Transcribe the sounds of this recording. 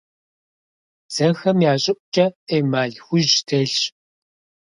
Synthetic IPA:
z̥ɐxɐmjaːɕʼɪʔʷʼt͡ʃʼɐeːmaːɮxʷʊʒtʰɐɮɕ

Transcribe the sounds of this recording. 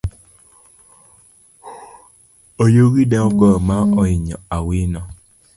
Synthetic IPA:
ojoɣidɛɔɡɔmaɔiɲɔ̰awinɔ

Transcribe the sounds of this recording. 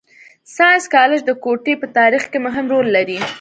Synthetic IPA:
sɑskɑlɪd͡ʒd̪əkoʈepət̪ɑɾixkeməɦɪmɾolːaɾi

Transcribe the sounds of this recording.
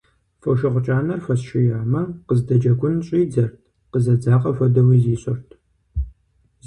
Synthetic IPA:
fɐʃɐʁʷʊt͡ʃʼaːnɐrfɐsʃɪjaːmɐqəzdɐd͡ʒɐɡʷʊnɕʼiːd͡zɐrtʰ | qəzɐd͡zaːqʼɐfɐdɐwiːziːɕʼɐrtʰ | z

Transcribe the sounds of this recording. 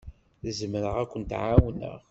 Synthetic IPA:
θəzməɾəʁækʷːənt̪ʕawnə̰ʁ

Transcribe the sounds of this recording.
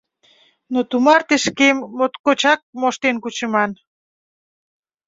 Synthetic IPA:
not̪umɑrt̪eʃkemːot̪kot͡ɕɑk̚moʃt̪enkut͡ɕəmɑn

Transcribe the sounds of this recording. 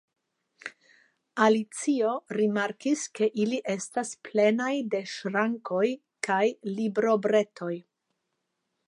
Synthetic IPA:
alit͡sio̞ɾimaɾkiske̞ʔiliʔe̞stasple̞najde̞ʃɾaŋko̞j | kajlibɾo̞bɾe̞tʰo̞j

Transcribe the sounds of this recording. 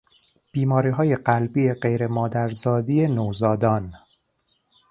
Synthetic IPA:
b̥iːmɒːɾiːɦɒːje̞ɢælbiːeɢe̞jɾe̞mɒːd̪æɾzɒːd̪iːjenowzɒːd̪ɒːn

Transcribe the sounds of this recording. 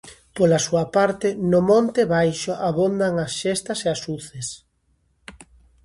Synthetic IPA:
polasuapaɾt̪ɪnʊmõnt̪ɪβajʃoʔaβond̪aŋasʃest̪ɐseasuθes

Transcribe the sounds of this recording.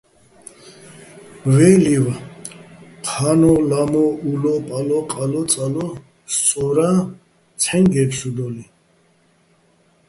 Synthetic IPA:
mvɛliva | qʰanɔlamɔulɔpʼalɔqʼalɔt͡sʼalɔ | st͡sʼɔɾa | t͡sʰɛŋɡɛpsud̪ɔli

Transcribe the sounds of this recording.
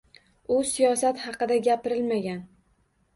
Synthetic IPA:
ʊsijɒsat̪hɑqɨd̪aɡʲapɪɾɪlmaɡʲan

